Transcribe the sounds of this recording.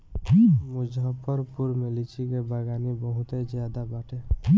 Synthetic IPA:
mʊd͡ʒʱəpəɾpuɾmelit͡ʃʰikebaɡaːnibəɦʊt̪ed͡ʒjad̪abaːʈʰe

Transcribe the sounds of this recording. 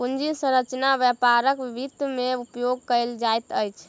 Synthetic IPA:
pund͡ʒisə̃ɾət͡ʃnabjɛpaɾəkʋibid̪meupjoɡ̚kəjld͡ʒajt̪əjt͡ʃʰ

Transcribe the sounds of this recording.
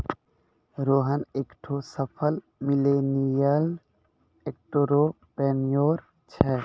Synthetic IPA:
ɾoːɦəneːkʈʰosəpʰəl | mɪlenijəl | ek̚ʈoɾo | pɾeːmijoːɾ | t͡ʃʰɛ

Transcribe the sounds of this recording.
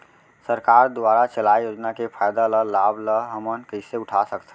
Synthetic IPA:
səɾkaɾd̪aɾat͡ʃəlajjoːd͡ʒnakepʰajd̪aləlabləɦəmənkəɪseʊʈʰasəkt̪ʰ

